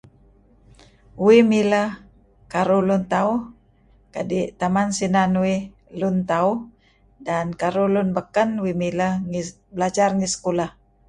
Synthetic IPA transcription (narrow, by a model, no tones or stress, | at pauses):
wimiləh | kaɾulunt̪auh | kadit̪amansinanwi | lunt̪au | dankaɾulunbəkənwimiləŋi | bəlad͡ʒarŋisə̥kulah